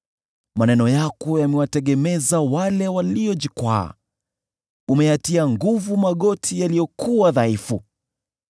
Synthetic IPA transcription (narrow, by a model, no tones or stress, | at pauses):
manɛnɔjakɔjamɛwatɛɠɛmɛzawalɛwaliɔʄikwa̰ː | umɛjatiaŋɡuvumaɠɔtʰijalijɔkuwaðaifu